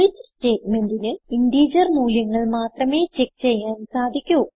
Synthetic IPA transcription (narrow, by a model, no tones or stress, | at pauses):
it͡ɕːsʈe̞ːʈme̞ndinɨindiːd͡ʑɐrnuːljɐŋːɐɭmaːt̪rɐme̞ːt͡ɕe̞k̚t͡ɕe̞jːaːnsaːd̪ʱikʲːu